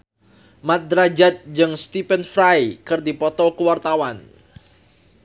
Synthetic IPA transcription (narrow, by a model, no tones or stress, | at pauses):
mat̪̚d̪ɾad͡ʒat̪̚d͡ʒɨŋst̪ipɛnfɾajkɨrdipɔt̪ɔkəwart̪awan